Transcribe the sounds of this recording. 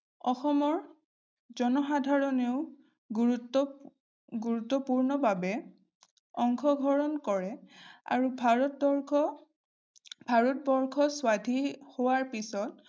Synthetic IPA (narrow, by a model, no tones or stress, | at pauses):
ɔxɔmɔɹ | zɔnɔxadʱaɹɔneʊ | ɡutːɔ | ɡuɹutːɔpuɹnɔbʱabɛ | ɔŋxɔɡʱɔɹɔnkɔɹɛa̰ɹubʱɹɔtɔɹɔ | bʱaɹɔt̚bɔɹkʰɔswadʱihowaɹpisɔt̚